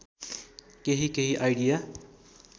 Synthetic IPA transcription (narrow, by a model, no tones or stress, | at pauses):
keɦikeɦiʔajɽija